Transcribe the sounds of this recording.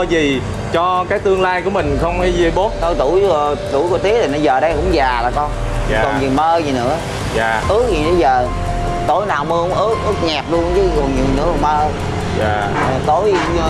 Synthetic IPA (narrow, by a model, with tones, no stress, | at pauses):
zi˨˩ | t͡ɕɔ˧kaː˦˥k̚t̪ɨ˧əŋlaː˧jku˧˩əmï˨˩ŋ̟xə˧wŋ͡mha˨˦jzi˧˩jɓo˦˥t̚t̪o˧˩jt̪u˧˩jzṵ˧˩jku˧˩t̪i˦ətʰi˨˩nɔ˧˦zəː˨˩ɗə˧jkʊ̰˧˥˦ŋ͡mzaː˨˩laː˨˩kɔ˧nː˨ | kə˨˩ɲɨ̰˨əŋməː˧zi˨˩nɨ̰˧˦˥ə | aː˨˩ʔɨ˦˥k̚zi˨˩ə˧jzəː˨˩ | t̪o˧˦jnaː˨˩wmə˧hʊ˨˦ŋ͡mʔɨ˦˥k̚ʔɨ˦˥ək̚ɲaː˨˩p̚lu˧ənzə˨˦ɔ˨˩ŋɲɨ̰˨˩nɨ̰˧˥əkːməː˧ | aː˨˩˨ | t̪o˧˦j